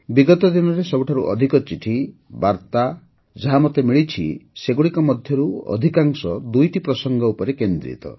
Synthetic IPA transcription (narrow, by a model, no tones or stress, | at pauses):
biɡɔt̪ɔd̪inɔɾesɔbuʈʰaɾuʔɔ̰d̪ʱikɔt͡ʃiʈʰibaɾt̪a | d͡ʒaɦamot̪emiɭit͡ʃʰḭseɡuɽikɔmɔd̪ʱjɔɾuɔ̰d̪ʱikaŋsɔd̪ujʈipɾɔsɔŋɡɔupɔɾekend̪ɾḭt̪ɔ̰